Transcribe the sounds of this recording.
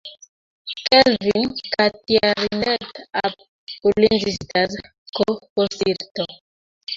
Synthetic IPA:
kelvinkatiaɾinetap̚ | ulind͡ʒistaz | koposiɾto

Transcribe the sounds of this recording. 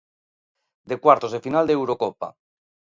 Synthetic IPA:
d̪ekwaɾt̪ozðefinald̪eewɾokopa̰

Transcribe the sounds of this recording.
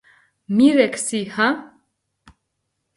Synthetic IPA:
miɾɛkʰsihã

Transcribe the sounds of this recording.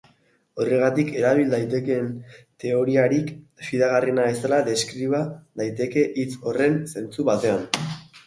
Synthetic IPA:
o̞re̞ɣ̞at̪ike̞ɾaβ̞ild̪ajt̪e̞kent̪e̞o̞ɾiaɾikfiðaɣ̞arinae̞st̪alaðe̞skɾiβaðajt̪e̞ke̞ʔit͡so̞re̞nse̞nt͡suβat̪e̞an

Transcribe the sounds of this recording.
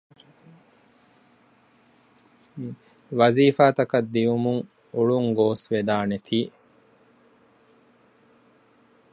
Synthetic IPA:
ʋɐziːfaːt̪ɐkɐd̪ːiumuŋ | uɭuŋɡoːsʋed̪aːnet̪ʰiː

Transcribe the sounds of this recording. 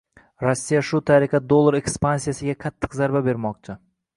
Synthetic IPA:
ɾosːijaʃʊt̪ʰaɾɪqʰɑd̪olˠːaɾekspansijasɪɡʲakʰat̪ʰːɨ̥qzaɾbabe̞ɾmɒq̚t͡ʃʰɪ

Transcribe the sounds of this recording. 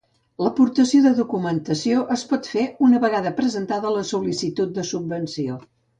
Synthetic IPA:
ləpuɾt̪əsioðəðukumənt̪əsioʔəspɔt̪feunəβəɣaðəpɾəzənt̪aðələsulisit̪ut̪̚d̪əsubbənsio

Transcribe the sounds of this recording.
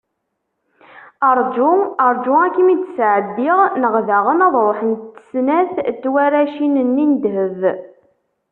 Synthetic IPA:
əɾˤd͡ʒuəɾˤd͡ʒʊækːimit͡s̪ːsʕəd̪ːiʁnəʁðaʁənɑðˤɾˤoħənt̪ːə̥snæθt̪ːwæɾæʃinənːind̪ɦəv

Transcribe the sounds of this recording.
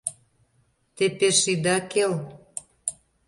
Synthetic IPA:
t̪epeʃid̪ɑkel

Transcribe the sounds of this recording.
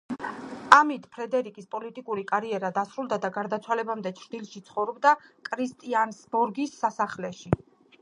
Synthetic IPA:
amit̪ʰpʰɾɛd̪ɛɾikʼispʼɔlit̪ʼikʼuɾikʼaɾiɛɾad̪asɾulˠd̪ad̪aɡaɾd̪at̪sʰwalɛbamd̪ɛt͡ʃʰɾd̪ilˠʃit̪sʰχɔvɾɔbd̪akʼɾist̪ʼiansbɔɾɡisːasaχlɛʃi

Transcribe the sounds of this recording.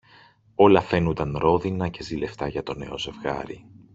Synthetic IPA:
o̞lɐfe̞nund̪ɐnɾo̞ðinɐce̞zile̞ft̪ɐʝɐt̪o̞ne̞̰o̞ze̞vɣɐ̰ɾḭ

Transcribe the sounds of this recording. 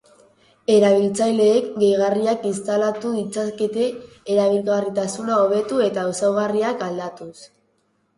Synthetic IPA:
e̞ɾaβ̞ilt͡sajle̞ːkɡe̞jɣariakinst̪alat̪uðit͡sake̞t̪e̞ː | ɾaβ̞ilɣarit̪asunao̞β̞e̞t̪ue̞t̪ausawɣariakald̪at̪us

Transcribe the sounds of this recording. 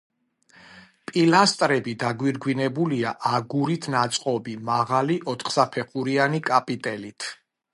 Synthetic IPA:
pʼilast̪ʼɾɛbid̪aɡwiɾɡwinɛbuliaʔaɡuɾit̪ʰnat̪sʼqʼɔbimaʁaliʔɔt̪ʰχsapʰɛχuɾianikʼapʼit̪ʼɛlit̪ʰ

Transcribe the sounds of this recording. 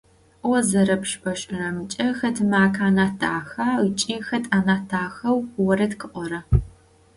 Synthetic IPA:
wɔzɐɾɐpʂpɐʃʼɪrɐmɨt͡ʃʼɐxɐtʰɨmaːkʰaːnaːtʰa̰ːxaːit͡ʃʼiːxɐtʼaːnaːtʰaːxɐwwɔɾɐtkʰɨʔʷɔɾɐ

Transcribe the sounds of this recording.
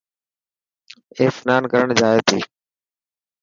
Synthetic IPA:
eːfnaːnkəɾəɳd͡ʒaːeːt̪ʰiː

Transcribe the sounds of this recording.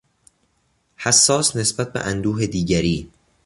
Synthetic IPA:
hæsːɒːsne̞sbæt̪̚be̞̰ʔænd̪uːɦe̞d̪iːɟæɾiː

